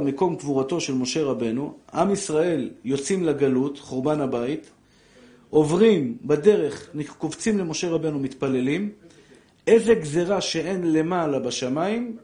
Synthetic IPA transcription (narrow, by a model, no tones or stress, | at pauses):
meko̞mkvuʁato̞ʃe̞lmo̞ʃe̞ʁabe̞nuʔamisʁae̞ljo̞t͡simlaɡalutχoʁbanhabait | o̞vʁimbade̞ʁe̞χniχkovt͡simle̞mo̞ʃe̞ʁabe̞numit̪pale̞lim | ʔezeɡzeʁaʃe̞ʔe̞nle̞malabaʃamaim